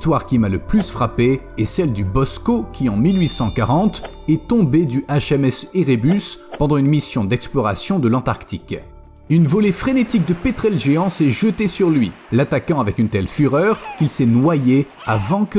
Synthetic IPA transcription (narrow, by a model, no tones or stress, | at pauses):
t̪waʁkʲimaləplysfχape | ɛsɛld̪ybɔskokʲiɑ̃milɥisɑ̃kaʁɑ̃t̪ | ɛt̪ɔ̃bed̪yʔaʃɛmɛseʁebyspɑ̃d̪ɑ̃ynmisjɔ̃d̪ɛksplɔʁa̰sjɔ̃d̪əlɑ̃t̪aʁkt̪ik | ynvɔlefχenet̪ik̚d̪əpet̪χɛlʒeɑ̃sɛʒət̪esyʁlɥi | lat̪akɑ̃avɛkynt̪ɛlfyʁœːʁkilsɛnwaje | avɑ̃kə